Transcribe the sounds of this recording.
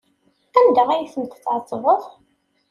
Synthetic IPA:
ænd̪æʁæjθəmt̪ə̥t͡sːʕɑt̪ˤːvoʁ

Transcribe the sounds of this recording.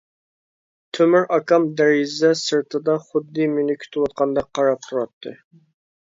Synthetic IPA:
t̪ʰømɪɾɑkɑmd̪æɾɪzd̪ɛsɨɾt̪ʰɨd̪ɑχʊd̪ːɨmynɪkʲʰy̥t̪ʰɪwɑt̪̚qʰɑnd̪ɑqʰːɑɾɑp̚t̪ʰuɾɑt̪ʰːɨ

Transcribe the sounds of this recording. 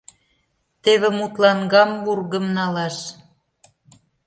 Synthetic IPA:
t̪eβĕmut̪lɑnɡɑmvurɣəmnɑlɑʃ

